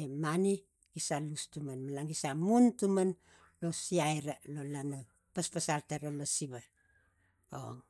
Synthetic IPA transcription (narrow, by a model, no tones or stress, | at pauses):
emani | ɡ̥isalustumanmalaŋɡisamuntuman | lo̞siajɾalolana | paspasaltaɾolosiβa | o̰ŋ